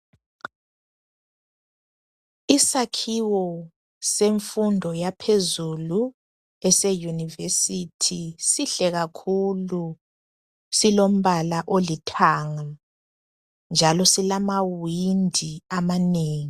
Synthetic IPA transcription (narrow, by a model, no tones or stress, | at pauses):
isakʰiwɔ | seɱfundʱɔjapʰezulu | ɛsejunivesitʰisiɬɛɣakʰulu | silom̩βalaʔolitʰaŋa | nd͡ʒʱalɔsilamawindʱiamaneːŋi